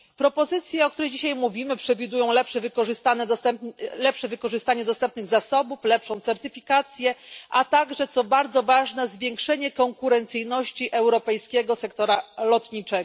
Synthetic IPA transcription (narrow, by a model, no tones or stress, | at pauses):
pɾɔpɔzɘt̪sʲjɛɔk̚t̪uɾɛjd͡ʑiɕajmuvʲimɘpʂɛvʲid̪ujɔ̃w̃lɛpʂɛvɘkɔʐɘst̪anɛɛmlɛpʂɛvɘkɔʐɘst̪aɲɛd̪ɔst̪ɛmp̚nɘɣzasɔbuflɛpʂɔ̃w̃t̪sɛɾt̪ɘfʲikat̪sʲjɛʔat̪aɡʐɛt̪sɔbaɾd̪zɔvaʐnɛzvʲjɛŋkʂɛɲɛkɔŋkuɾɛnt̪sɘjnɔɕt͡ɕiʔɛwɾɔpɛjskʲɛɡɔsɛkt̪ɔɾalɔt̪ɲit͡ʂɛɡɔ